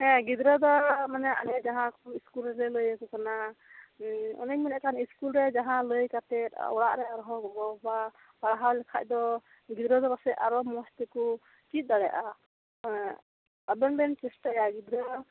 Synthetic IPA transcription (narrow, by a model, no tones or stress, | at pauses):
ɛ̃ɡid̪ɾɔd̪ɔmanɛʔa̰nɛd͡ʒaɦãkuiskulɾɛɾɛləjakɔkana | ɔ̰naɲminɛʔkaniskulɾɛd͡ʒaɦãləjkat̪ɛt̪̚ɔ̰ɽaʔɾɛaɾɔɦɔɡɔbɔba | paɽaɦawlɛkʰac̚ˀd̪ɔ | ɡid̪ɾɔd̪ɔbasɛaɾɔmɔst̪iku | t͡ʃit̪̚ˀd̪aɽɛʔa | abɛnbɛnt͡ʃɛsʈajaɡid̪ɾa